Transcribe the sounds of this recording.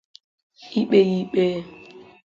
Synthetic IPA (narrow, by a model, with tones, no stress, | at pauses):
i˦ɓɛ˦ji˦ɓɛ˦